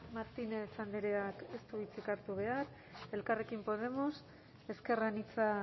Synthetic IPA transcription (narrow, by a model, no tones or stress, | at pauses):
maɾt̪inet͡sand̪eɾeake̞st̪uβit͡sikaɾt̪uβ̞e̞aɾ | e̞lkare̞kimpo̞ð̞e̞mo̞s | e̞ske̞ranit͡sa